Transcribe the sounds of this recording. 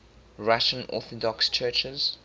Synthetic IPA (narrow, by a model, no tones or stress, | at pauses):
ɹaʃə̃nɔ̰ˑθɔdɔkst͡ʃʰɜːt͡ʃəz̥